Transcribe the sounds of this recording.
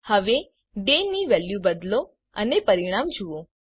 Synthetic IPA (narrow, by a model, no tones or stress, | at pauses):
həʋe | ɖeniʋɛljubəd̪lo | ənepəɾiɽ̃amd͡ʒuʋo